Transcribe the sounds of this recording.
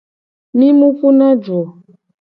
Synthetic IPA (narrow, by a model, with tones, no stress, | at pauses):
mi˦mu˦fu˦na˦d͡ʒo˨